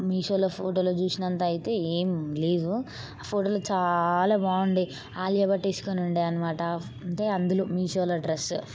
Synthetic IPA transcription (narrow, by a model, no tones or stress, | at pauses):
miːʃoːloːpʰoːʈoːloːt͡ʃuːsinɐnt̪aːjit̪e̞ːeːmle̞ːd̪u | aːpʰoːʈoːlot͡ʃaːlaːʋaːɳɖi | aːlijɐbɐʈːeːsu̥konuɳɖiɐnɐmaːʈɐ | ɳʈeːɐnd̪uluːmiːʃoːlɐɖɾes